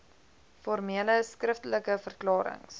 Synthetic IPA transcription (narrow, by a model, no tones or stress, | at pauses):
fɔrmiələskrəftələkəfərklɑːɾə̰ŋs